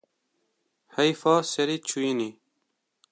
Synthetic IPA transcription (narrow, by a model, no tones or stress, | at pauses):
hɐjfɑːseɾit͡ʃʰuini